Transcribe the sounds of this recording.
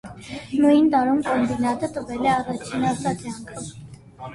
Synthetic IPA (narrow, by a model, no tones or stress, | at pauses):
nujnt̪ɑɾumkɔmbinɑt̪ət̪əvɛlɛɑrɑt͡ʃʰinɑsɑt̪jɑŋkʰ